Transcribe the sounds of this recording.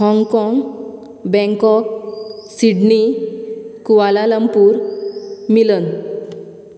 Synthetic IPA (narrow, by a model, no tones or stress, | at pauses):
ɦɔ̃ŋɡkɔŋɡ | bɛ̃ŋkɔk̚siɖni | kuʋalaləmpuːɾ | milən